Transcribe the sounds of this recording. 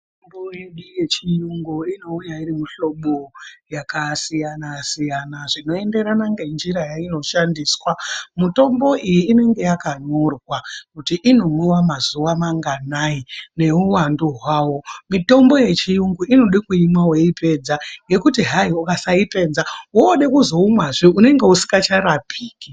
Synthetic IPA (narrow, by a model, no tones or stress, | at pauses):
tombojeɗuje̞t͡ʃijuŋɡuino̞ujairimuɬo̞ɓojakasijanasijanaʐino̞e̞nde̞ɾanaŋɡe̞nd͡ʒiɾajaino̞ʃandiswamuto̞mbo̞ʔijiːne̞ŋɡe̞jakaɲorwakutiʔino̞mwiwamazuʋamaŋɡanaine̞uwanduɦwaːwo̞mito̞mbo̞je̞t͡ʃijuŋɡuʔino̞ɗikuimwawe̞ipʰe̞d͡zaŋɡe̞kutiɦaiukasaipe̞nzawoːɗekuzo̞umwaʐiune̞ŋɡe̞usi̥kɡat͡ʃaɾapʰiːki